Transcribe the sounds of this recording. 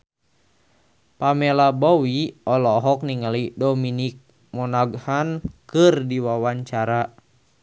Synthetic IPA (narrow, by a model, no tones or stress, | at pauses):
pamɛlabɔwiɔlɔɦɔk̚niŋalidɔminik̚ | mɔnaɡhankɨrdiwawaɲt͡ʃaɾa